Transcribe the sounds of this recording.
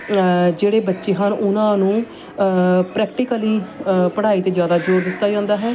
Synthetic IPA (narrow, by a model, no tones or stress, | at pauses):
d͡ʒeːɽeːbətːʃeːɦənʊnãːnũː | pɾɛːk̚ʈɪkəliːpəɽ̤aːiːt̪eːd͡ʒjaːd̪aːd͡ʒoːɾd̪ɪt̪ːaːd͡ʒãːnd̪aːɦɛː